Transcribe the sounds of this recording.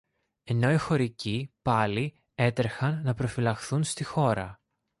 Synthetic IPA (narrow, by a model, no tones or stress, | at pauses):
e̞no̞ixo̞ɾicipɐli | e̞t̪ɾexɐnːɐpɾo̞filɐxθunst̪ixo̞ɾɐ